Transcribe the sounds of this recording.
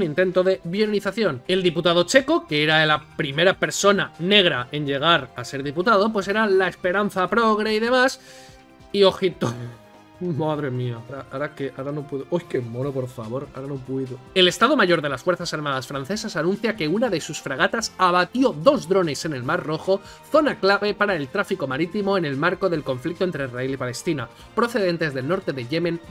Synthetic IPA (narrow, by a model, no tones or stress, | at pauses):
nĩnt̪e̞nt̪o̞ðe̞βjoɾoniθaθjo̞ne̞ld̪iput̪aðo̞t͡ʃe̞ko̞keeɾaelapɾime̞ɾape̞ɾso̞nane̞ɣɾaʔe̞nʎe̞ɣ̞aɾase̞ɾðiput̪aðo̞p̬we̞s̬e̞ɾalae̞spe̞ɾan̟θapɾo̞ɣɾeiðe̞mas | io̞xit̪o | maðɾe̞miaaɾaaɾakeʔaɾanopweðoʔojkemoɾopo̞ɾfa̰βo̞ɾaɾano̞pweðoe̞le̞st̪aðomaʝo̞ɾðe̞lasfwe̞ɾθasaɾmaðasfɾanθe̞sasanũn̟θjake̞unaðe̞susfɾaɣ̞at̪asaβat̪jo̞ðo̞zðɾo̞ne̞se̞ne̞lmaɾro̞xo̞ | θo̞naklaβe̞paɾae̞lt̪ɾafiko̞maɾit̪imo̞ene̞lmaɾko̞ðelko̞ɱflik̚t̪ont̪ɾeizrailipale̞st̪ina | pɾo̞θe̞ðe̞nt̪e̞zðe̞lno̞ɾt̪e̞ðe̞ʝe̞mẽn